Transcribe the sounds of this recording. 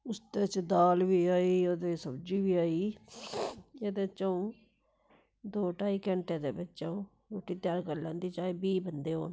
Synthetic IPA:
ʊst̪eːt͡ʃd̪aːlʋiːaːiːoːd̪eːsəbd͡ʒiːʋiːaːiː | eːd̪et͡ʃaːũː | d̪oːʈaːiːkɛɳʈeːd̪eːbɪt͡ʃːt͡ʃãũː | ɾoːʈiːt̪jaːɾkəɾlãːnd̪iːt͡ʃaːeːbiːbənd̪eːɦo̰ːn

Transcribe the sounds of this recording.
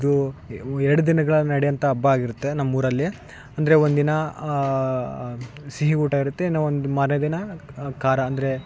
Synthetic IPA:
id̪uɛɾɐɽud̪inɐɡɐɭɐnɐɽɛjɐnt̪ɐːbːɐaːɡiɾut̪ːe̞nɐmːuːɾɐlːe | ɐnd̪ɐɾeond̪inɐ | siɦiɡuːʈaːɡiɾut̪ːenːɐond̪umaːɾnɐd̪inɐkaːɾɐːnd̪ɐɾe̞

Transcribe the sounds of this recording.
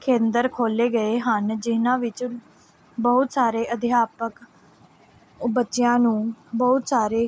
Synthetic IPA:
kʰẽːnd̪əɾkʰoːleːɡəeːɦənd͡ʒɪnãːʋɪt͡ʃ | bəɦʊt̪saːɾeːʔəd̪ʱɪjaːpək | bətːʃɪjãːnũːbəɦʊt̪saːɾeː

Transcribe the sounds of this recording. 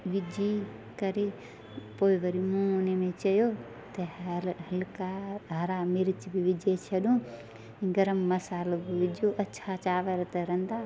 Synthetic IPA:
ʋid͡ʒi | kəɾe | poːiʋəɾimũnemẽt͡ʃəjo | t̪ɐɦɐlkaɦɐɾamiɾt͡ʃbiʋid͡ʒet͡ʃʰɐɗũ | ɡɐɾəmːɐsaːlbiʋid͡ʒoʔɐtːʃʰat͡ʃaːʋəɾt̪əɾɐnd̪a

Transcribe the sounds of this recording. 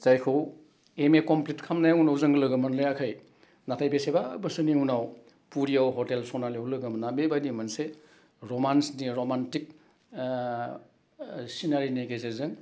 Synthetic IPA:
zajkʰɯw | emekɔmplitkʰamnajunawzɯŋɡlɯɡɯmɯnlɯjakʰaj | natʰajbesebabɯsɯniunaw | puɾiawɦɔtelsɔnalijawlɯɡɯmnabebajnimanse | ɾɔmansniɾomantik̚ | sinaɾineɡezezɯŋ

